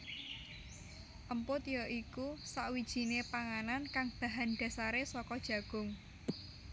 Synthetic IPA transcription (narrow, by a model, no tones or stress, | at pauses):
ʔəmpʊt̪jɔʔikusaʔwid̥ʒ̥i̤nepaŋanankaŋb̥ä̤ɦanɖ̥a̤saɾesɔkɔd̥ʒ̥ä̤ɡ̥ʊ̤ŋ